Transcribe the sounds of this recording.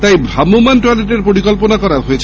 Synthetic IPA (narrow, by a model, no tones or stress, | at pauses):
t̪ajbʱɾamumanʈwaleʈeɾpoɾikɔlponakɔɾaɾɦojet͡ɕʰ